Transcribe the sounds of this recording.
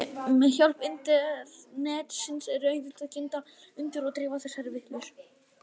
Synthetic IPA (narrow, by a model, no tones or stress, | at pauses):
mɛçjɔl̥pɪnt̪ɪðnɛːt̪sɪnsɛɾœːjnt̪ɪl̥t̪aðcɪnt̪a | ʏnt̪ɪɾɔɣt̪ɾɪːvaθɛsaɾɪvɪht̪lʏɾ̥